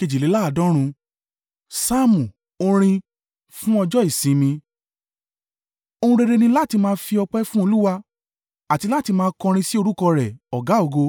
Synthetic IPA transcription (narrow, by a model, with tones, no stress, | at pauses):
ke˧d͡ʒi˨le˨˦la˦˨dɔ̃˨˦ɾ̃ũ˧ | sa˦mũ˨ | o˧ɾ̃ĩ˧ | fũ˦ɔ˧d͡ʒɔ˦i˦˨sĩ˨˦mĩ˧ | o˧ũ˧ɾe˧ɾe˧nĩ˧la˦˨ti˧mãː˦˧˦fi˧ɔ˧k͡pɛ˦fũ˦o˧lu˦wa˧ | a˨ti˧la˦ti˧mãː˧˦kɔ̃˧ɾ̃ĩ˧si˦o˧ɾu˦kɔ˧ɾɛ˨ɔ˨ɡa˨˦o˦˨ɡo˧